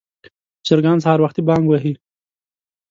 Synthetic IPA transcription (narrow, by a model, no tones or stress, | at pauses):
t͡ʃɪɾɡaːnshaɾwaxt̪ibɑːŋɡwaɦi